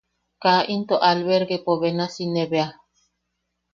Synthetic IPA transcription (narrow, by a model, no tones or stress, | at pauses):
kaʔint̪oʔalβeɾɡepoβenasineβea